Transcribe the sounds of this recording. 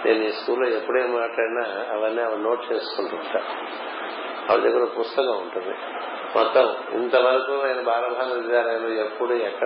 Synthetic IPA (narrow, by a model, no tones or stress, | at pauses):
nʔe̞ːnuiːskuːlːoːepːuɽeːmaːʈlaːɽinaːɐʋɐnːiɐʋɐno̞ːʈ̚t͡ʃe̞ːsu̥kuɳʈuʈaː | ɐʋɐd͡ʒɐɡɐɾɐpust̪ɐkaːuɳʈund̪ḭ | mʔɔt̪ːɐm | ḭnt̪ɐʋɐɾɐkuajnɐbʱaːɾɐbʱaːnɐʋit͡ʃaːɾɐjɐloːepːuɽuɛkːɐ